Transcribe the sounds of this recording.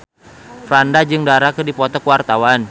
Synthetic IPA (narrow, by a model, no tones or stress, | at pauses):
fɾandad͡ʒɨŋdaɾakədipɔt̪ɔkuwart̪awan